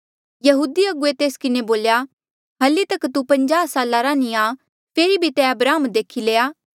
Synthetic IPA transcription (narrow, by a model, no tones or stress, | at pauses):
jɐɦuːd̪iɐɡuet̪eːskɪneboːlja | ɦɐlit̪ɐkt̪upɐ̃ɲd͡ʒaːsaːlaɾanĩa | pʰeːɾibʱit̪ɛɐbɾaːmd̪eːkʰileːaː